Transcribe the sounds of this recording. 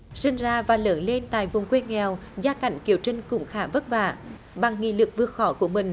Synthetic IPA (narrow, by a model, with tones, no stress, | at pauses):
sï˧ŋ̟zaː˧vaː˨˩ləː˨˦nle˧nt̪a̰ː˧˨jvʊ˨˩ŋ͡mkwe˧nŋɛ˨˩wzaː˧ka̰˧˩jŋ̟ki˨˧˩əwt͡ɕï˧ŋ̟kʊ̰˧˩ŋ͡mxaː˧˩və˦˥t̚ɓa̰ː˧˨ | ɓa˨˩ŋːḭ˧˨lɨ˨˩k̚vɨ˧˩əxɔ˧˦ku˧˩əmï˨˩ŋ̟